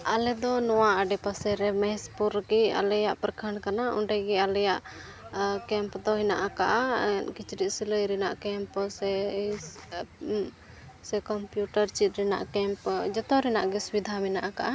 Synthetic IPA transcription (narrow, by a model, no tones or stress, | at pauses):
alɛd̪ɔnɔwaʔaɖɛpasɛɾɛmɛspuɾɡɛa̰lɛjaʔpɾkʰəɳkanauɳɖɛɡɛalɛjaʔ | kɛmpd̪ɔɦinaʔakaʔankit͡ʃɾit̪̚siləjɾɛnaʔkɛmpsɛ | sɛkɔmpjuʈaɾt͡ʃit̪̚ɾɛna̰ʔkɛmpd͡ʒɔt̪ɔɾɛnaʔɡɛsubid̪ʱamɛnaʔakaʔa